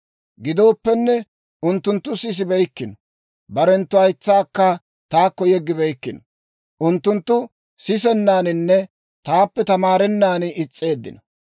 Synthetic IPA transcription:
ɡɪd̪o̞ːpːɛnːɛ | ʔʊnt̪ːʊnt̪ːʊsɪs̬ɪbɛjkːɪnɔ | bɐɾɛnt̪ːʊɐjt͡sːaːkːɐ | t̪aːkːɔjɛɡːɪbɛjkːɪnɔ̥ | ʔʊnt̪ːʊnt̪ːʊ | sɪs̬ɛnːaːnɪnːɛ | t̪aːpːɛt̪ɐmaːɾɛnːaːnɪɪt͡sʼːe̞ːd̪ːɪ̰nɐ

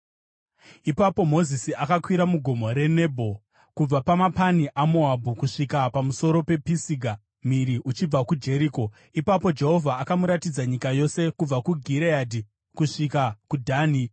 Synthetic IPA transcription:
ipapo̞mo̞zisiʔakakwiɾamuɡʱo̞mo̞ɾe̞ne̞bʱo̞ | kub͡vapamapaniʔamoabʱukuʂikapamuso̞ɾo̞pe̞pisiɡʱa | miɾiʔut͡ʃib͡vakud͡ʒe̞ɾiko̞ | ipapo̞d͡ʒe̞ɦo̞vʱaːkamuɾatid͡zaɲikajo̞se̞kub͡vakuɡʱiɾeadʱi | kuʂikakudʱaːni

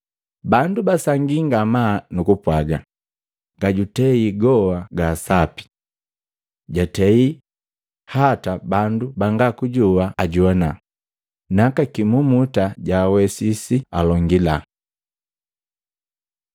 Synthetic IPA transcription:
bandubasaŋɡiŋɡamanukupwaɡa̰ | ɡ̥aɟutɛiɡɔwaɡaːsapi̥ | ɟatɛi | hatabandubaŋɡakuɟuaːɟɔna | nakakimumutaɟaːwɛsisialɔŋɡila

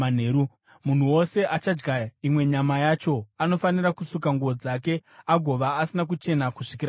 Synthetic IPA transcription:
an̤eɾu | mun̤uwo̞se̞ʔat͡ʃad͡ʒɡaimwe̞ɲamajat͡ʃo̞ano̞fanirakusuk̬aŋɡuʋo̞d͡zake̞aɡʱo̞ʋaːsinak̬ut͡ʃe̞nakuʂikiɾa

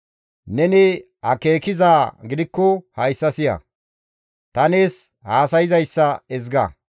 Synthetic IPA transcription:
nɛnɪ | hɐke̞ːkɪzaːɡɪd̪ɪkːɔhɐjsːɐsɪjɐ̰ | t̪ɐneːs | haːsɐjɪzɐjsːɐɛzɡɐ̰

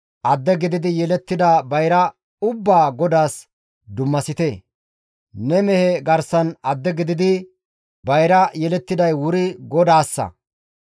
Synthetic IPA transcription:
ʔɐd̪ːɛɡɪd̪ɪd̪ɪjɛlɛt̪ːɪd̪ɐbɐjɾɐ | ʊbːaːɡɔd̪aːs | d̪ʊmːɐsɪt̪e | nɛmɛhɛɡɐɾsɐnɐd̪ːɛɡɪd̪ɪd̪ɪ | bɐjɾɐjɛlɛt̪ːɪd̪ɐjwʊɾɪɡɔd̪aːsːɐ̰

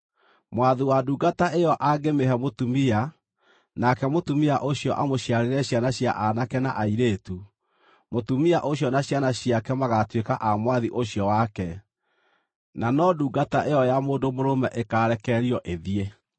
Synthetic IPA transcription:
mwaðuwaduːɡataʔejɔʔaɡemehɛmotumia | nakɛmotumiaʔoɕjɔʔamoɕjaɾeɾɛɕjanaɕja̰ʔanakɛna̰ʔaiɾeːtu | motumiaʔoɕjɔnaɕjanaɕiakɛmaɣatwekaʔamwaðiʔoɕjɔwakɛ | nanɔduːɡataʔeɔjamoːndomoɾomɛʔekaːɾɛkɛɾiɔʔeðie

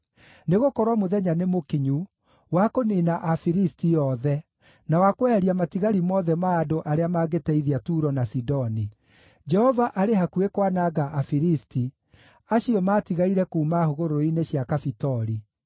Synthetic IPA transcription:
neɣokɔɾwamoðɛɲanemokiɲu | wakoninaʔafiɾistijɔðɛ | nawakoɛɾiamatiɣaɾimɔːðɛmaːdoʔaɾeamaːɣetɛiðiatuɾɔnasidɔni | d͡ʒɛhɔvaʔaɾeɦakuekwanaːɣaʔafiɾisti | aɕiɔmaːtiɣaiɾɛkuːmahoɣoɾoineɕiakafitɔɾi

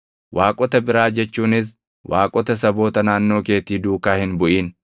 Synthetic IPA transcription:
wʔaːkʼɔt̪ɐbɪɾaːd͡ʒɛt͡ʃːuːnɪs̬ | wʔaːkʼɔt̪ɐs̬ɐbo̞ːt̪ɐnaːnːo̞ːke̞ːt̪iːd̪uːkaːhɪnbʊʔiːn

